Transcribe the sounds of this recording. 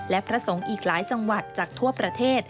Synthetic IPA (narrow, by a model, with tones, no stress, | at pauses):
lɛ˦˥pʰɾa˦˥so˩˦ŋʔiː˨˩k̚laː˩˦jt͡ɕa˧ŋwa˨˩t̪̚t͡ɕaː˨˩k̚t̪ʰu˥˩ɐpɾa˧t̪ʰeː˥˩t̪̚